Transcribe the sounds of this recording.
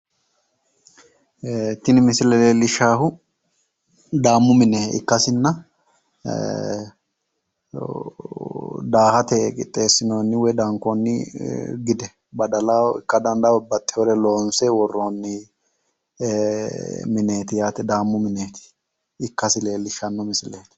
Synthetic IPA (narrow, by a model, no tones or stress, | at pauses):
t̪ːɪnɪmɪsɪlɛle̞ːlːɪʃaːhʊ | d̪aːmːʊmɪneːɪ̰kːɐsɪnːɐ | d̪aːhɐt̪ɛkʼɪ̰t̪ʼːe̞ːsːɪnoːnːɪwɛd̪ɐŋkonːɪɡɪd̪ɛ | bɐd̪ɐlaɪ̰kːɐd̪ɐnd̪abɐt̪ʼːɪhɔɾɛlo̞ːnsɛwɔrːoːnːɪ | mɪne̞ːt̪ɪjaːt̪ɛd̪aːmːʊmɪneːt̪ɪ̥ː | kːɐsɪle̞ːlːɪʃːɐnːɔmɪsɪleːt̪ɪ̥